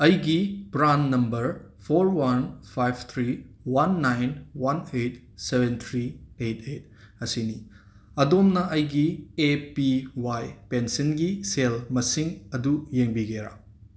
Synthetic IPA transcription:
ɐjɡibɾanːɐmbɐɾ | pʰoɾwanpʰajbʰt̪ʰɾi | wanːajnwanejt̚ | sebent̪ʰɾiejtʰet̚ | ɐsini | ɐdomnɐʔɐjɡiepiwajpensinɡiselmɐsiŋɐdujeŋbiɡeɾa̰

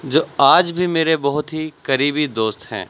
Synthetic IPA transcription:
d͡ʒoːaːd͡ʒbʱimeːɾebɐɦʊt̪ɦikɐɾiːbid̪oːst̪hɛ̰̃ː

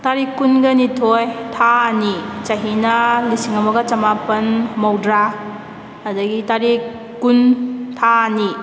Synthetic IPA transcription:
taɾikːunɡɐnitʰojtʰanit͡ʃɐɦinɐlisiŋɐmɐɡɐt͡ʃɐmapɐnmɐwdɾa | ɐdɐɡitaɾikː | untʰani

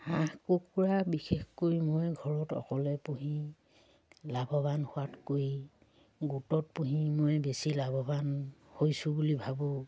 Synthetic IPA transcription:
ãhkokuɹabixexkojmojɡʱɔɹɔtɔ̰kɔlɛpuɦĩ | labʱɔbanhʊwatkoj | ɡutɔt̚puɦĩmojbesilabʱɔbanhojsʊ̃bulibʱabɔ

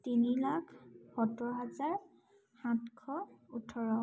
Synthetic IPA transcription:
tinilakʰpɔtɔɦazaɹ | hãtkʰɔutʰɔɹɔ

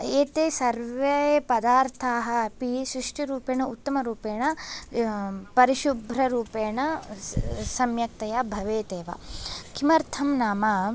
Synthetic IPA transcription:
eːt̪eːsɐɾʋeepɐd̪aːɾt̪ʰaːɦɐ̆ɐpisɾiʂʈʰiɾuːpeːɳɐut̪ːɐmɐɾuːpeːɳɐ | pɐɾiʃubʱɾɐɾuːpeːɳɐ | sɐmjɐk̚t̪ɐjabʱɐʋeːt̪eːʋa̰kʰimɐɾt̪ʰɐmnaːmɐ

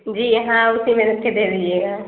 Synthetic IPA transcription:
d͡ʒiːɦãʊsimeɾəked̪eliieːɡa

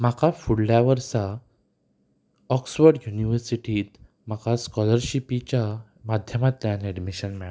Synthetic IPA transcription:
m̤akafuɽljaʋəɾsa | ɔksʋəɾɖjuniʋəɾsiʈiːt̪ | m̤akʰaskɔləɾɕipit͡ɕa | mad̪ʱjəmat̪ːjanɛɖmiɕənmɛɭa

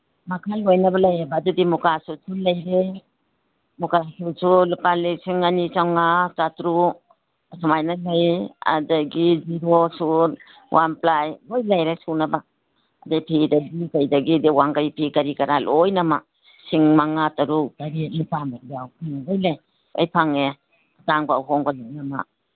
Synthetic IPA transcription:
makʰalojnɐbalajebadudimukasusulɐjɾe | mukasusulupalɯsiŋanit͡ʃawŋat͡ʃatɾu | samajnalɐja̰daɡid͡ʒiɾosuɾ | wʔamplajojlajɾajsunaba | adajpʰidɐɡikajdɐɡidewaŋkaɾipʰikaɾikaɾalʔojnama | siŋmaŋatɐɾutaɾilupamaɾiawpʰinaɡajlaj | a̰jpʰaŋe | ataŋbaawɦɔŋbalajnama̰

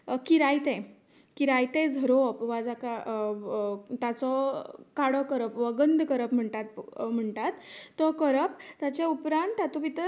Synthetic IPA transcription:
kiɾajt̪ɛ̃ | kiɾajt̪ɛd͡zʱəɾopʋad͡zaka | t̪at͡sɔkaɽɔkəɾəpʋəɡənd̪kəɾəpm̤əɳʈ̪at̪̚m̤əɳʈ̪at̪ːɔkəɾəpt̪at͡ɕaupɾãnt̪at̪ɔʋit̪ə

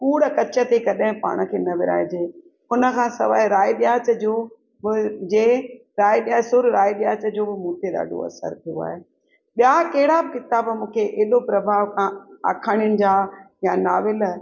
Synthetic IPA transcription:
kuːɽəkɐt͡ɕə̆t̪ekɐɗɦɪ̃pa̰ːɽ̃ə̆kʰeːnɐʋɪɾa̰ːɪd͡ʑeː | ʊnə̆kʰãːsɐ̰ʋaːɪɾaːiɗɪjaːt͡ɕəd͡ʑoː | bɪd͡ʑeː | ɾaːiɗɪjaːsʊɾɾaːiɗɪjaːt͡ɕəd͡ʑoːbɪmũːt̪eɗa̰ːɖʱo̰ɐ̰sə̰ɾt̪ʰijo̰a̰ːɦe | ɓijakɐɦɪɽabɪkɪt̪abmũːkʰeʔeːlopɾɐbʱaːʋkʰãːa̰ːkʰaːɽ̃ɪjʊnɪ̆d͡ʑaː | janaːʋɪl̆

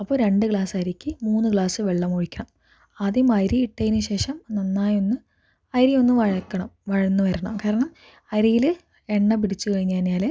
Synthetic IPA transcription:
ɐpːoːɾe̞ɳɖɨkɭaːsɐjɾikʲːɨmuːnːɨkɭaːsɨʋe̞ɭːɐmoɻikʲːɐɳɐm | aːðjjumɐjɾiiʈːɐjinɨɕe̞ːʂɐmnɐnːaːjo̞nːɨ | ɐjɾijo̞nːɨʋɐɻɐkːɐɳɐmʋɐɻɐnːɨʋɐɾɐɳɐ̰mkaːɾɐɳɐm | ɐjɾijil | eɳːɐp̬iɽit͡ɕːukɐɻiɲːaːnɲaːle

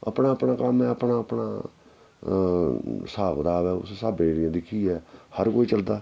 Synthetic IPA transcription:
ə̰pnaːəpnaːkəmɛːəpnaːəpna̰ː | saːkd̪aːʋɛːʊ̰ssaːbeːɾɪjãːd̪ɪkʰːiːɛːhəɾkoːiːt͡ʃəld̪aː

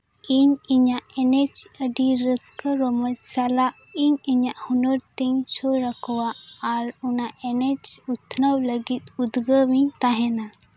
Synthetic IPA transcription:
iɲiɲaʔɛnɛt͡ʃəɖiɾəskəɾɔmət͡ʃsalaʔ | iɲiɲaʔhunɔɾt̪iɲsoɾəkʰɔwaːɾunaʔɛnɛt͡ʃut̪ʰnəwləɡit̪ud̪ɡəwiɲt̪aɦɛna

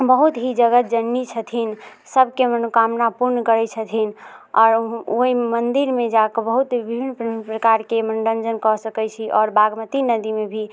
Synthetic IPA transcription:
bəɦut̪ɦid͡ʒəɡət̪̚d͡ʒənːit͡ʃʰət̪ʰin | səbʱkemənukamnapuɾnkəɾɛt͡ʃʰət̪ʰinɔːɾoɦimənd̪iɾmed͡ʒakəbəɦut̪bibʱinːppɾəkaɾkemənɖənd͡ʒənkɔsəkɛt͡ʃʰiʔɔːɾbaɡmət̪inəd̪imebʱi

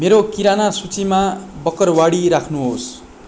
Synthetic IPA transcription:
meɾokiɾanasut͡simabʌkʌrwaɽiɾakʰnuɦos

